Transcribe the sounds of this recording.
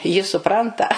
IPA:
jɪ sʊˈprɐntɐ

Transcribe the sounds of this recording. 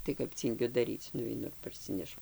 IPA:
tɐɪ kɐp ˈt͡sʲiːŋʲɡʲʊ dɐˈrʲiːt͡s nʊʋʲɛɪˈnʊ ɪr pɐrʲˈsʲɪnʲɛʃʊ

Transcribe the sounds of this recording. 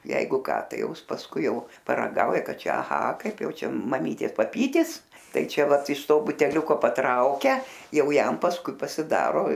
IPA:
ˈjɛɪɡʊ ˈkɑː ˈtɐɪ ˈjɛʊ ˈɪs pɐsˈkʊɪ ˈjɛʊ pɐrɐˈɡɐʊjɛ ˈkɑː ˈt͡ʃʲɛ ɐˈɣɐ ˈkɐɪp ˈjɛʊ ˈt͡ʃʲɛ mɐˈmʲiːtʲeːs pɐˈpʲiːtʲɪs ˈtɐɪ ˈt͡ʃʲɛ ˈʋɐt ɪʃ ˈtoː bʊtʲɛˈlʲʊkoː pɐtˈrɐʊkʲɛ ˈjɛʊ ˈjɛm pɐsˈkʊɪ pɐsʲɪˈdɑːroː

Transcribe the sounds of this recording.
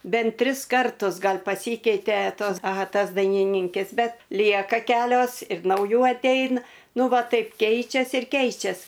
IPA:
ˈbʲɛnt ˈtʲrʲɪs ˈkɐrtʊs ˈɡɐlʲ pɐˈsʲiːkʲɛɪtʲɛ ˈtoːs ɐˈɣɐ ˈtɐs dɐɪnʲɪˈnʲiːŋʲkʲɛs ˈbʲɛt ˈlʲiɛkɐ ˈkʲæːlʲoːs ɪr nɐʊˈjuː ɐtʲˈɛɪnɐ ˈnʊ ˈʋɐ ˈtɐɪp ˈkʲɛɪt͡ʃʲɛs ɪr ˈkʲɛɪt͡ʃʲɛs

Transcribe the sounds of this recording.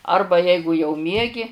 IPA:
ˈɐrbɐ ˈjɛɪɡʊ jɛʊ ˈmʲiɛɡʲɪ

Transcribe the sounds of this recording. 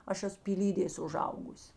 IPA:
ˈɐʃ ˈæːsʊ pʲiːˈlʲiːdʲeːs ʊˈʒɐʊɡʊs

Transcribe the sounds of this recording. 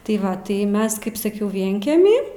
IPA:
tɐɪ ˈʋɐ tɐɪ ˈmʲɛs ˈkɐɪp sɐˈkʲɛʊ ˈʋʲiɛŋʲkʲɛmʲɪ

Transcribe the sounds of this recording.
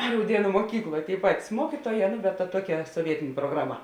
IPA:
rɐʊˈdʲiɛnʊ muɔˈkʲiːklˠoːj tʲeːɪ ˈpɑːtʲɪs ˈmuɔkʲiːtuɔˌjɛː nʊ bʲɛt tɐ ˈtuɔˌkʲɛ soːˈʋʲiɛtʲeːnʲeː proːɡrɐˈmɐ

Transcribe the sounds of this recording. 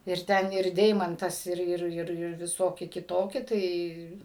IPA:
ɪr ˈtʲɛn ɪr ˈdʲɛɪmɐntɐs ˈɪr ˈɪr ˈɪr ɪr ʋʲɪˈsoːkʲɪ kʲɪˈtoːkʲɪ ˈtɐɪ

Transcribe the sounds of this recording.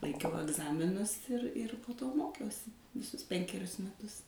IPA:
lˠɐɪkʲˈɛʊ ɐɡˈzɑːmʲɪnʊs ɪr ɪr poː ˈtoː ˈmoːkʲɛʊsʲɪ ʋʲɪˈsʊs ˈpʲɛŋʲkʲɛrʲʊs mʲɛˈtʊs

